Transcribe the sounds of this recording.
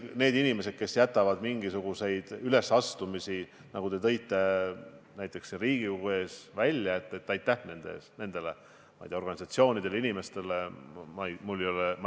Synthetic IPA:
ne̞ːd̪inime̞se̞d̪̥̚ke̞sjæt̪ːˑɑvɑd̪̥miŋɡ̥isuɡ̥use̞jd̪̥yle̞sɑst̪umisi | nɑɡ̥ut̪e̞t̪ɤ̞jt̪ːe̞næjt̪ːˑe̞ksriːɡ̥iuɡue̞ːsvælʲjɑet̪ːˑet̪ːˑɑjt̪ːæhne̞nd̪eḛsne̞nd̪e̞le̞ | mɑ̰jt̪eɑoɡɑnʲisɑt̪sio̞ːnʲid̪̥e̞linʲime̞st̪e̞lemɑmulːejolemɑ

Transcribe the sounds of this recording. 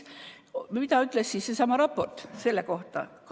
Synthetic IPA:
mmit̪ɑyt̪ːˑlessiːssesɑmɑɾɑpːo̞rt̪se̞lːeko̞ht̪ɑ̰k

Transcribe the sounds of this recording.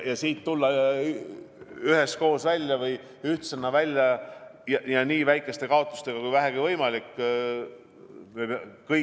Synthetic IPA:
jɑsiːt̪ːulːɑ | yɦe̞sko̞ːsvælʲjɑvɤj | yht̪senːɑvælʲːjɑjɑjɑniːvæjkːˑe̞st̪e̞kɑot̪ˑːu̥st̪e̞ɡ̥ɑkujvæɦeɡ̥ivɤjmɑlikː | mekɤ

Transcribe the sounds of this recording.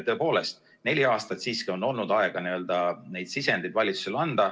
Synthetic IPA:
t̪ɤ̞epo̞ːle̞st̪ | ne̞lʲiɑːst̪ɑt̪siːskio̞nːo̞lnud̪ɑe̞ɡ̥ɑniø̞ld̪̥ɑne̞jd̪̥sisend̪ed̪vɑlʲit̪su̥se̞lɑnd̪̥ɑ

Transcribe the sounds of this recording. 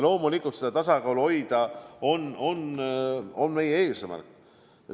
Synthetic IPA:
lo̞ːmulikˑult̪sed̪ɑt̪ɑsɑkɑːluo̞jd̪̥ɑo̞no̞n | o̞nme̞jee̞ːsmæ̰rkˑ

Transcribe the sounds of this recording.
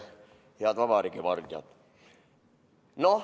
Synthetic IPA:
heɑd̪vɑbɑɾikiʋɑrt̪iɑ̰t̪ | no

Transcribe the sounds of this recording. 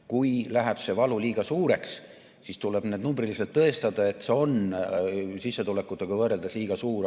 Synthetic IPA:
kujlæɦæb̥se̞vɑluliːɡ̥ɑsuːɾe̞ks | sist̪uleb̥ned̪numbriliselt̪ːɤe̞st̪ɑd̪̥ɑe̞t̪ːˑseo̞n | sisːet̪ule̞kːˑut̪ːˑɑɡɑvɤɾeld̪ɑsliːɡ̥ɑsuːɾ

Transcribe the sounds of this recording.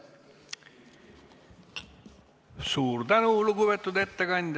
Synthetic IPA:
suːɾt̪ænulukuβet̪ːˑud̪e̞t̪ːeɡɑnʲd̪

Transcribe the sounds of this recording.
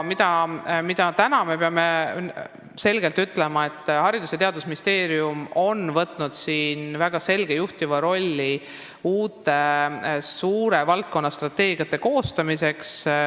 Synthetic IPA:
mid̪̥ɑmid̪̥ɑt̪ænɑme̞pe̞ɑme̞ | se̞lɡ̥e̞lt̪yt̪ːˑle̞mɑe̞t̪ːˑhɑɾid̪useɑt̪eɑd̪̥usminʲist̪e̞ːɾiumo̞nvɤt̪ːˑnud̪̥siːnvæɡ̥ɑse̞lɡ̥e̞juht̪ivɑɾo̞lʲːi | uːt̪ːˑe̞ | suːɾe̞vɑlt̪̚ko̞nːɑst̪rɑt̪ːe̞ːɡ̥ijɑt̪ːˑe̞ko̞ːst̪ɑmise̞ks

